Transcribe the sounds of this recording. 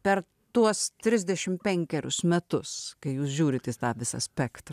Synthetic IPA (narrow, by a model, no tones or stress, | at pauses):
pʲɛɾ | t̪uɔst̪ʲɾʲɪzʲd̪ʲɛʃʲɪmpʲɛŋʲkʲɛɾʲʊ̰smʲɛt̪ʊskɐɪjuːsʒʲuːɾʲɪt̪ʲiːst̪ɑːʋʲɪsɐ̰sʲpʲɛkt̪ɾɐ